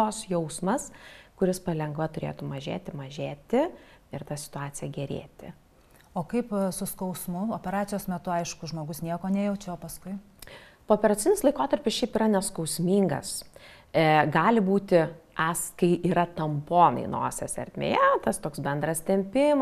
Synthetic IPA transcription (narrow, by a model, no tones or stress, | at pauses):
t̪oːsjɛʊsmɐskʊɾʲɪspɐlʲɛŋɡʋɐt̪ʊɾʲḛːt̪umɐʒʲḛːt̪ʲɪmɐʒʲeːt̪ʲɪɪɾt̪ɐsʲɪ̥t̪ʊɑːt͡s̪ʲɪjɛɡʲɛɾʲḛːt̪ʲɪ | oːkɐɪpsʊskɐʊsmʊoːpʲɛɾɑːt͡s̪ʲɪjoːsmʲɛt̪ʊɐɪʃkʊʒmoːɡʊsnʲiɛkoːnʲɛjɛʊt͡ʃʲɛoːpɐskʊɪ | poːpʲɛɾɐt̪t͡sʲɪnʲɪslˠɐɪkoːt̪ɐɾʲpʲɪsʃʲɛɪpiːɾɐnʲɛskɐʊsʲmʲiːŋɡɐ̰s | ɡɑːlʲɪbuːt̪ʲɪɐskɐɪʔiːɾɐt̪ɐmpoːnɐ̰ɪno̰ːsʲɛsɛ̰ɾʲt̪ʲmʲḛːjɛt̪ɐst̪oːksbʲɛnd̪ɾɐst̪ʲɛmʲpʲɪm